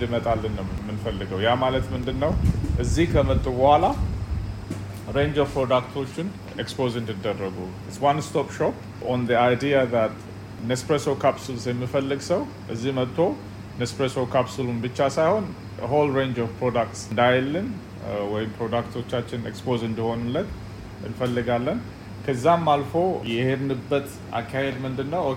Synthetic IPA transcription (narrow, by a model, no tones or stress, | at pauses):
ɨd̪ɨmət̪ʼalːɨnːəwmːɨnfəlːɨɡəwjamalət̪mɨnd̪ɨnːəwʔɨzːihkʰəmət̪ʼːubəhala | ɾend͡ʒovpɾod̪akt̪ʰo̞t͡ʃːɪn | ekspozɨnt̪ɨd̪ːərːəɡu | ɪtswanst̪ʰopʃop | ond̪iajd̪ijaðat̪ | nekspɾesokʰapsulsjɛmːifəlːɨɡsəw | ʔɨzːihmət̪ʼt̪ʰːo̞ | nespɾesokʰapsulunbɨt͡ʃːasajho̞n | ɦolɾend͡ʒovpɾod̪ak̚t̪sɨnd̪ajɛlːɨn | wɔjɪmpɾo̞d̪akt̪ʰo̞t͡ʃːat͡ʃːɪnḛkspozɨnd̪iho̞nɨmlət̪ː | ʔɨ̰nfəlːɨɡalːən | kʰəzːamːalfo̞jɛhednɨbːət̪ | ʔa̰kʰːahed̪mɨnd̪ɨnːəw